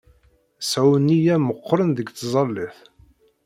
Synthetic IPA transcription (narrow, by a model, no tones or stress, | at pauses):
sʕwənːijæməqːɾˤənðəɡθzˤɑlːiθ